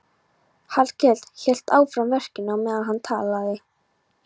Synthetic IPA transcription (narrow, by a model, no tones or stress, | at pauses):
halcɛl̥t̪çɛl̥t̪aːwfɾamvɛr̥cɪnamɛːðaðɦant̪ʰa̰ːlaðɪ